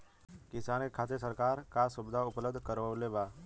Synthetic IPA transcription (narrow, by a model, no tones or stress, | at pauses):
kɪsaːnekʰaːt̪esəɾkaːɾkasʊbɪd̪ʱaʊpləbd̪ʱkəɾʋəlebaː